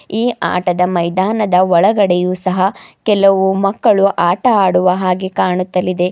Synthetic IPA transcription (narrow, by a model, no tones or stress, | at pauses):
iːʔa̰ːʈɐd̪ɐmɐjd̪aːnɐd̪ɐɔɭɐɡɐɽɛjuːsɐɦɐkɛlɐʋumɐkːɐɭuʔaːʈɐaːɽuʋɐɦaːɡekaːɳut̪ːɐlːid̪e̞